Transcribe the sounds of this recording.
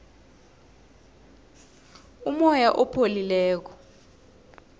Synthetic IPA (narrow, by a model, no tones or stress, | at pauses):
umɔjaʔɔpʰolilɛːk̬ɔ̥